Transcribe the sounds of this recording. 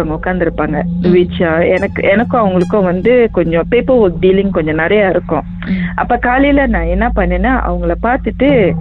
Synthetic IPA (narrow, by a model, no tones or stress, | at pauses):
ɐŋɡɐʊkːaːnd̪ɪɾɯpːaːŋɡɐʋiːt͡ʃːaːɛnɐkːɯ̰ʔɛnɐkːʊ̃ɐʋɐŋɡɐɭɯkːʊ̃ʋɐnd̪ɯkɔɲd͡ʒɔ̃peːpɐɾɐk̚ɖiːlɪŋkɔɲd͡ʒɔ̃nɪɾɐjaːɪɾɯkːʊ̰̃ | ʔɐpːoːkaːlilɐnãːɛnːɐpɐɳːeːnːaːʔɐ̰ʋɐŋɡɐɭɐpaːɾt̪ɯʈːɯ